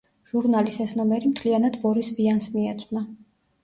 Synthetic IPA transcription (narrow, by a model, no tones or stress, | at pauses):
ʒ̥uɾnalisɛsnɔmɛɾimt̪ʰlianad̪bɔɾisbiansmiɛt̪sʼna